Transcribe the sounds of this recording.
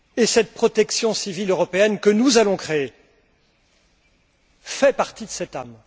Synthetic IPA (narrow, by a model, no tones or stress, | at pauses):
esɛt̪̚pχɔt̪ɛksjɔ̃siviløʁɔpeɛnkənuzalɔ̃kχee | fɛpaʁt̪id̪əsɛt̪am